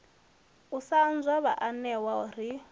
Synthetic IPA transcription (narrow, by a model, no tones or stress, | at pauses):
usand͡zɔβaʔanɛwauɾi